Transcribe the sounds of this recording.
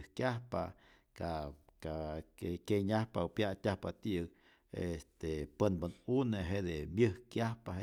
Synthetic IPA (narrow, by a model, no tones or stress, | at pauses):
hkjahpa | kakaekeɲahpaopjat̪ʲahpat̪iʔɨk | ḛst̪epənbənuneɦed̪emjɨhkjahpahe